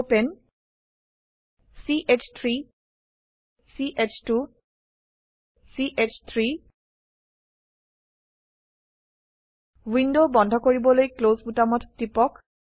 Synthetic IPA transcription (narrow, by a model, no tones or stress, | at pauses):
pen | siʔet͡ʃʰt̪ʰɹi | siʔet͡ʃʰtu | siʔet͡ʃʰt̪ʰɹi | windobɔndʱɔkoɹibɔlojklozbutamɔtːipɔk